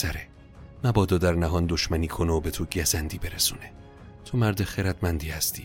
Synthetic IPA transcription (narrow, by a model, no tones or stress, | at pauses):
sæɾe | mæbɒːd̪ɒːd̪æɾnæɦɒːnd̪oʃmæniːkʰoneobet̪ʰoɟæzænd̪iːbe̞ɾesuːne | t̪ʰomæɾd̪eχeɾæd̪mænd̪iːhæst̪ʰiː